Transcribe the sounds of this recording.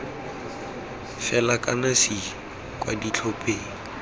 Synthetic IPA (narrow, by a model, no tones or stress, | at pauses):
fɛlakʼanasi | kʼwa̰dit͡ɬʰopʼeːŋ̩